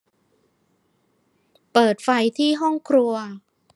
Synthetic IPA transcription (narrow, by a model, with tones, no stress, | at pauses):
pɤː˨˩t̪̚fa˧jt̪ʰiː˥˩ɦɔ˥˩ŋkʰɾu˧ɐ